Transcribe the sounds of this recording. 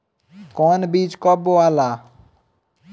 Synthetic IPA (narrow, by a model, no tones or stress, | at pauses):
kɔnbiːt͡ʃkɔboaːlaː